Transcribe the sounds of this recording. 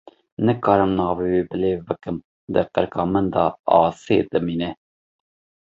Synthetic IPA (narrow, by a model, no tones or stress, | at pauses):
nɨkɑːɾɨmnɑːveweːbɨleːbɨkɨm | d̪ɨqəɾkɑːmənd̪ɑ̰ɑ̰ːsḛd̪ɨmiːnɛ